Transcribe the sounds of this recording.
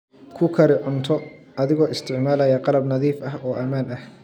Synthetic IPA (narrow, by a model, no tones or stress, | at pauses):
kʰʊkʰɐɾɪʕʊnt̪ʰɔ | ɐðɪɣɔːɪst̪ʰɪʕmaːlɐjɐqɑlɐbnɐðiːfɐhɔːʔɐmaːnɐh